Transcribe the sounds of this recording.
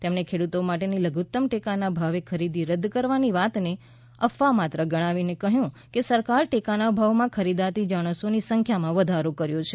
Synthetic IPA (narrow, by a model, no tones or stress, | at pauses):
t̪emnekʰeɽut̪omaʈeniləɡut̪ːəmʈekanabʱaʋekʰəɾid̪iɾəd̪kəɾʋaniʋat̪ne | əfːamat̪ɾəɡəɽ̃ãʋinekəɦjũ | kesəɾkaɾʈekanabʱaʋmãkʰəɾid̪at̪id͡ʒaɽ̃əsonisəŋkʰjamãʋəd̪ʱaɾokəɾjot͡ʃʰe